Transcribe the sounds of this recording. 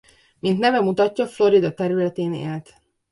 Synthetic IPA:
mint̪nɛvɛmut̪ɒcːɒflo̞ɾid̪ɒt̪ɛɾylɛt̪eːnḛːlt̪

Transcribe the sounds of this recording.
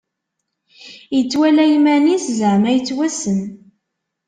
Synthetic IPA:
jət͡sːwælæjmæniszəʕmæjət͡sːwæsən

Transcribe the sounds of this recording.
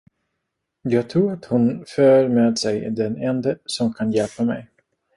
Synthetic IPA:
jɑːɡ̚t̪ʰɾuːɾat̪hʊnføːɾmeːd̪sɛjd̪ɛnɛnd̪əsɔmkʰanjɛlpamɛ̰j

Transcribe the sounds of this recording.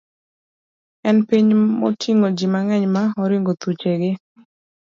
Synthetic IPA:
ɛnpiɲmɔ̰tʰiŋod͡ʒimaŋɛɲmaɔɾɪŋɡot̪ut͡ʃeɡɪ

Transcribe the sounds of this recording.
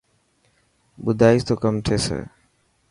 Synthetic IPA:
bud̪ʱaːit̪okəmʈ̪ʰesḛ

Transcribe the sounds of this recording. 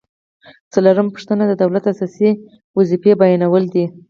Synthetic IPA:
t͡saloɾəmpə̥ʂt̪ənad̪əd̪awlat̪asɑsi | wazifebajanawəld̪i

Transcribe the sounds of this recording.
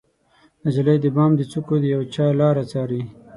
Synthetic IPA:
d̪əd͡ʒalajd̪əbɑːmd̪ət͡sukod̪əjawt͡ʃɑlɑːɾat͡sɑːɾi

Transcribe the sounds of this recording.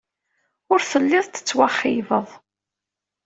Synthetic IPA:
ʊɾθəlːɪðˤt̪ə̥t͡sːwaχːivəðˤ

